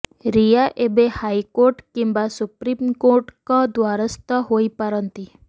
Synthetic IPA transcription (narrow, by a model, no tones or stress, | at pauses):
ɾijaʔebehajkoɾʈkimbasupɾimkoɾʈkãd̪ʋaɾəst̪aɦoipəɾənt̪i